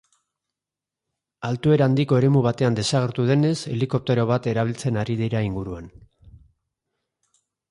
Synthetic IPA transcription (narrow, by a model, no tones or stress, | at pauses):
alt̪ue̞ɾaːnd̪iko̞e̞ɾe̞muβ̞at̪e̞and̪e̞saɣ̞e̞ɾt̪uð̞e̞ne̞se̞̰liko̞p̚t̪e̞ɾo̞βat̪e̞ɾaβilt͡se̞naɾiðiɾaiŋɡuɾuan